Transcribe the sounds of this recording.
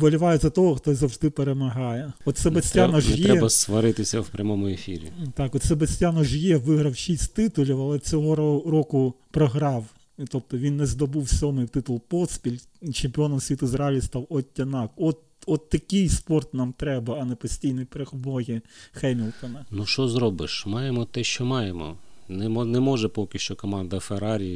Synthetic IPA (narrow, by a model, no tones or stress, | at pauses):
ʋɔlʲɪʋɑjʊzʲɐt̪ɔɦɔxt̪ɔzɐwʒd̪ɪpeɾemɐɦɑjɛɔt̪sɛbɐsʲtʲanɐʒɛj̪ɛɾɛbɐsʋɐɾɪt̪ɪsʲɐ̰wpɾʲɐmɔmʊefʲḭɾʲḭt̪ɑkɔt̪sɛbɐsʲtʲanɐʒjɛʋɪɦɾɐwʃisʲtʲt̪ɪt̪ʊlʲiwɐlˠɛt͡sʲɔɦɔrɔkʊpɾɔɦɾɑw | t̪ɔp̚t̪ɔʋʲinːɛzd̪ɔbuwsʲɔmɪwt̪ɪt̪ʊlˠpɔspʲilʲ | t͡ʃempʲɪɔnɔmsʲit̪ʊɪzɾɑlʲist̪ɑwɔtʲːɐnɑkɔt̪ | ɔt̪ːɐkʲɪjspɔrt̪nɑmt̪ɾɛbɐɐnɛpɔsʲtʲijnɔjpɾexbɔɦʲixɛmʲilˠt̪ɔnɐnuʃɔzɾɔbɪʃmɑjemɔt̪ɛʃt͡ʃɔmɑjemɔ̰nɛmɔnɛmɔʒɛpɔkʲɪʃt͡ʃɔkɔmɑnd̪ɐfeɾɑɾʲi